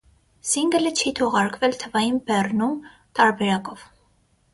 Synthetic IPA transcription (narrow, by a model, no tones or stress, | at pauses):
siŋɡələt͡ʃʰit̪ʰɔʁɑɾkvɛlt̪ʰəvɑjinbɛrnum | t̪ɑɾbɛɾɑkɔv